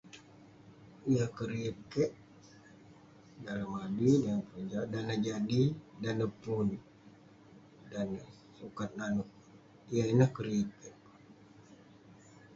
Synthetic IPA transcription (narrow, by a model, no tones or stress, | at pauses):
ijakəɾiəkɛʔ | dalamabidanapəd͡ʒadanad͡ʒadidanəpun | dan | sukat̪̚nanʊʔ | ijainahkəɾiəkɛʔ